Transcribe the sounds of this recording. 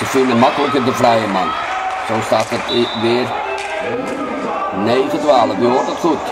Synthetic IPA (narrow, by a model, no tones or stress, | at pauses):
səfɪndəmɑkələkədəvrɛjəmɑn | sɔmstaːfətʋɪːr | neːɣətwʋaːlənyɔtətxut